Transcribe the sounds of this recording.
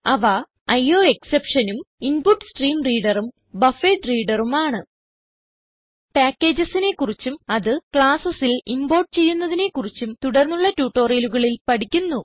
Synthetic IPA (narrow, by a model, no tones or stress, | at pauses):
ɐʋɐ | ɐjo̞ːe̞ksepʂɐnuminpuʈːsʈriːmriːɽɐrum | bɐfeːɖriːɖɐrumaːɳɨ | paːkʲːe̞ːd͡ʑɐsine̞kurit͡ɕːumɐðɨkɭaːsɐsilimbo̞ːʈ̚t͡ɕe̞jːunːɐðine̞kurit͡ɕːumt̪uɽɐrnːuɭːɐtuːʈːo̞ːrijɐluɣɐɭilpɐɽikʲːunːu